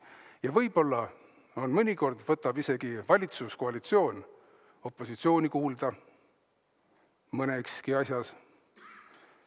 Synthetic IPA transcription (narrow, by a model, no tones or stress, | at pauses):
jɑvɤjb̥o̞lːɑ | o̞nmɤnʲiko̞rd̪vɤt̪ːˑɑb̥ise̞ɡ̥ivɑlʲit̪suskoɑlʲit̪sio̞ːn | o̞pːˑo̞sit̪sio̞ːnʲikuːld̪̥ɑ | mɤnekskiɑsʲjɑs